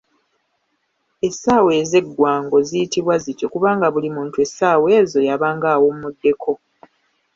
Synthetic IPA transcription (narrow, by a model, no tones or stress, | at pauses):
e̞saːwe̞ːze̞ɡːwaːŋɡo̞zijitiβwazitokuβaːŋɡaβulimuːntue̞saːwe̞ːzo̞jaβaːŋɡaːwommudːe̞kʰo̞